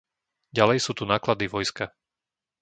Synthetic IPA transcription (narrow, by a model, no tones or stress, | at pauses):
ɟalɛjsuːt̪unaːklad̪iʋɔjska